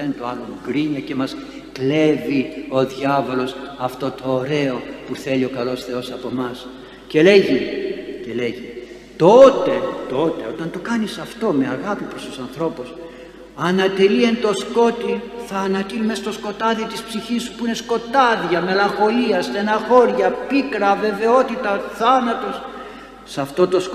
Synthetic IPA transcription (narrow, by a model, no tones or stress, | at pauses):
ent̪oɐlomuɡɾiɲɐce̞mɐs | kle̞vio̞ðʝɐvo̞lo̞sɐft̪o̞t̪o̞ːɾe̞o̞puθe̞lio̞kɐlo̞sθe̞o̞sɐpo̞mɐs | ce̞le̞ʝice̞le̞ʝi | t̪o̞t̪e̞t̪o̞t̪e̞o̞t̪ɐnt̪o̞kɐnisɐft̪o̞me̞ɐɣɐpipɾost̪osɐnθɾo̞pus | ɐnɐt̪e̞lie̞nt̪o̞sko̞t̪iθɐːnɐt̪ilumest̪o̞sko̞t̪ɐðit̪ispsiçisu̥puine̞sko̞t̪ɐðjɐme̞lɐŋxo̞liɐst̪e̞nɐxo̞ɾʝɐpikɾɐve̞ve̞o̞t̪it̪ɐθɐnɐt̪o̞sː | ɐft̪o̞t̪o̞s